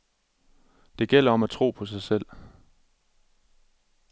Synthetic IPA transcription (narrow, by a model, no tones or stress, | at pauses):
d̥e̝ɡ̥el̰ɐɒ̽mæt͡sʰʁo̝̰ːpʰɒ̽s̬ɑ̈ɪsel̰